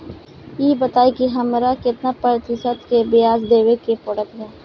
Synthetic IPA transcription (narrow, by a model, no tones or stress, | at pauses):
jiːbɐt̪aːikiɦɐmɾakɪt̪napəɾt̪ɪsət̪kebɪjaːzd̪eːʋekepɔɽək̪ɦɛː